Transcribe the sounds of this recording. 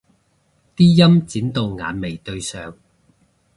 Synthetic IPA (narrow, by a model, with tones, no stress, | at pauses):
t̪iː˥jɐ˥mt͡siː˨˥nt̪o˨wŋa̰ː˨nme˨˩jt̪ɵ˧ɥsœː˨˧ŋ